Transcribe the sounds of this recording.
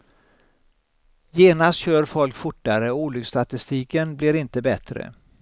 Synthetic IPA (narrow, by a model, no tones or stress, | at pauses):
jeːnast̪ɕøːɾfɔlkfʊʈːaɾəɔuːlʏɡst̪at̪ɪst̪iːkənblɪɾɪnt̪əbɛt̪ɾə̰